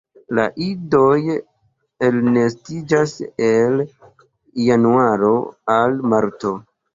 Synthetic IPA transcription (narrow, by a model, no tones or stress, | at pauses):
la̰ʔido̞j | elnestid͡ʒasel | januaɾo̞almaɾto̞